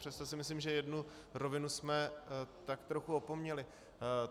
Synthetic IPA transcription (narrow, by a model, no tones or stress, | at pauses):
r̥ɛst̪osɪmɪslimʒɛjɛdnu | ɾo̞vɪnusmɛt̪akt̪ɾo̞xuo̞po̞mɲɛlɪ